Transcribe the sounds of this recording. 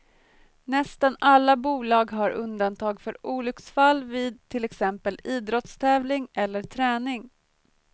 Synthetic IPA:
nɛst̪analːabuːlɑːɡɦaɾʔɵnd̪ant̪ʰɑːɡfœɾuːlʏksfalːviːd̪̚t̪ʰɪlɛksɛmpəliːd̪ɾɔt̪st̪ʰɛːvlɪŋɛlːəʈʰɾɛːnɪŋ

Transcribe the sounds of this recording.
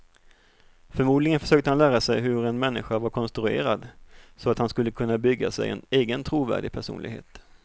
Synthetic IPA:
fœɾmuːd̪lɪɡənfœ̥ʂøːk̚t̪əhanlæːɾasɛjɦɵɾɛnmɛnːɪɧavaɾkʰɔnst̪ɾɵḛːɾad̪sɔat̪hanskɵlːəkʰɵnːabʏɡːa̰sɛ̰jɛ̰neːɡənt̪ʰɾuːvæ̰ːɖɪɡ̚pʰæʂṵːnlɪ̰ɡhḛːt̪

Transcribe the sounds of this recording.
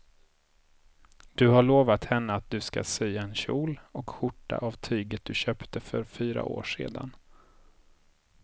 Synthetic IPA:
d̪̥ɵhaɭoːvat̪hɛnːəat̪̚d̪ɵska̰syːaɛnɕuːlɔkɧʊʈːa̰ʔavt̪ʰyːɡət̪̚d̪̥ɵɕœːpt̪ʰəfœɾfyːɾa̰ʔo̰ːʂḛːd̪a̰n

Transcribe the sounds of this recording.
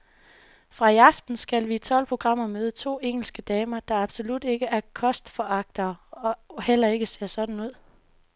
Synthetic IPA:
fʁɑ̈iɑ̈fd̥n̩sɡ̥ælʋit͡sʰɒ̽l̰pʰʁo̝ɡ̥ʁɑ̈m̰ɐmøːð̞ˠət͡sʰo̝̰ːeŋ̰l̩sɡ̥əd̥ɛːmɐd̥ɑ̈ɑ̈b̥so̝lud̥e̝ɡ̥əæɐkʰɒ̽sd̥fɒʔɑ̈ɡ̥̚d̥ɐːɒ̽hel̰ɐe̝ɡ̥əse̝ɐ̰sɒ̽d̥n̩uð̰ˠ

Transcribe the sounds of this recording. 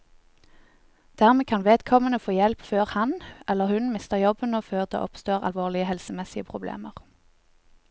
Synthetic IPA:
d̪̥æːʁmeːkʰɑnʋeːd̪kʰɔmənəfoːjɛlpføːʁhɑnʔɛləʁhʉnmɪst̪əʁjɔbhʉnəføːʁd̪ḛːʔɔpst̪oːʁɑ̰lʋoːʁlɪəhɛlsəmɛsɪəpʰʁʊblḛːməʁ

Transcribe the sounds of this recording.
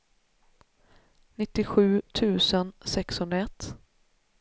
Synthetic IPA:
nɪt̪ːɪɧʉ̟ːt̪ʰʉ̟ːsənsɛkshɵnd̪ɾaɛt̪ː

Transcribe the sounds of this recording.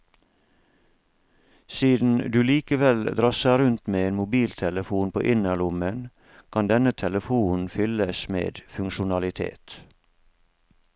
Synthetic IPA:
siːd̪n̩d̪ʉːliːkəʋɛld̪ɾɑːsæɾʉnt̪meːeːnmʊbiːlt̪ʰɛləfuːnpʰo̰ːʔɪnælʊmən | kʰɑnd̪ɛnət̪ʰɛləfuːn̩fʏləsmḛːd̪fʉŋʃʊnɑlɪt̪ʰḛːt̪

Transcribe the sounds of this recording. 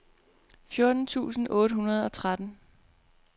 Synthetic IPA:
fjo̝ɐd̥n̩t͡sʰṵːsn̩ɔ̽ːɾ̥əɦunɐð̞ˠɒ̽t͡sʰʁad̥n̩

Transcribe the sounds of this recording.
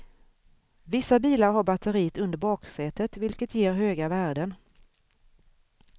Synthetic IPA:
vɪsːabiːlaɾɦaɾbat̪ʰəɾiːt̪ɵnd̪əɾbɑːksɛːt̪ət̪vɪlkət̪jeːɾɦøːɡavæːɖən

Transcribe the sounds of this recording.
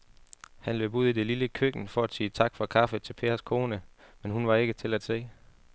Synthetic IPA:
hænlø̰ːb̥uð̞̰ˠid̥e̝liləkʰøɡ̥n̩fɒ̽æd̥siːt͡sʰɑ̈ɡ̥fɒkʰɑ̈f̩ˠt͡sʰe̝lpʰe̝̰ːɐskʰo̝ːnəmenɦunʋɑ̈e̝ɡ̥ət͡sʰe̝læd̥se̝̰ː

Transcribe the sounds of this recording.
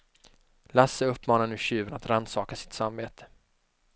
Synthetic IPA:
lasːəɵpːmɑːnanʉ̟ːɕʉːvənat̪ɾand̪sɑːkasɪ̥t̪sambeːt̪ʰə̥

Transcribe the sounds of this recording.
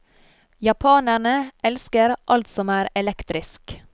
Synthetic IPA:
jɑpʰɑːnæɳəʔɛlskəɾʔɑlt̪sɔmæːɾɛlɛkt̪ɾɪsk

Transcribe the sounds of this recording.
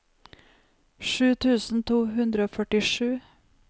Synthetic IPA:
ʃʉːt̪ʰʉːsn̩t̪ʰuːhʉnd̪ɾəoːfœʈɪʂʉː

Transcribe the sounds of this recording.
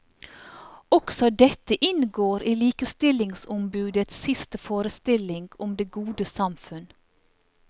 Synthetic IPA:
ɔksɔd̪ɛt̪əʔɪnɡoːɾʔiːliːkəst̪ɪlɪŋsʊmbʉːd̪ət̪sɪst̪əfoːɾəst̪ɪlɪŋɡ̥ʊmd̪eːɡuːd̪əsɑmfʉn

